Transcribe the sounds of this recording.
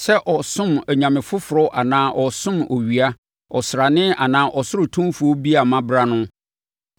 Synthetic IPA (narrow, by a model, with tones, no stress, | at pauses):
sɛ˦ʔɔ˨sʊ̃˦mæ˨ɲã˨mɪ̃˨fʊ˦fʊ˨ɾɔ˦ʔa˨nãː˦ʔɔ˨sʊ̃˦mo˨ɥi˨a˦ | ɔ˨sɾa˨nɪ̃˦a̰˨nãː˦ʔɔ˨sʊ˦ɾʊ˨tʰũ˦mfʊ˨ɔ˦bi˦a˨mã˦bɾa˦nʊ̃˦